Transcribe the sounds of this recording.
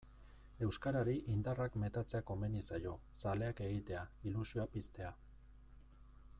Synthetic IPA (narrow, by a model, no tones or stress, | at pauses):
e̞wskaɾaɾiʔind̪arakme̞t̪at͡se̞ako̞menisajo̞ | sale̞ake̞ɣ̞it̪e̞ailusioapist̪e̞a